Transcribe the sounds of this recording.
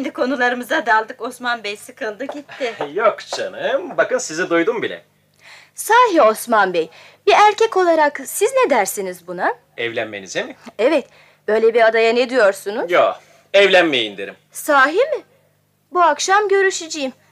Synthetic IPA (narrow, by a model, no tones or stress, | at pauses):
nd̪ikʰo̞nulˠaɾɯmɯzad̪alˠd̪ɯko̞smanbɛjsɯkʰɯlˠd̪ɯɟit̪ːɪjokt͡ʃʰanɯmbakɯnsizid̪ujd̪umbilʲɛ̰ | saːɦio̞smanbɛj | biæɾcʰɛco̞lˠaɾaksizned̪æɾsinizbuna | ɛvlʲænmenḭzemiɛvɛt̪ | b̥ø̞jlʲebiad̪ajaned̪ijo̞ɾsunujo | ɛvlʲænmejeind̪eɾim | saːɦimɪ | buakʃamɟø̞ɾyʃid͡ʒijim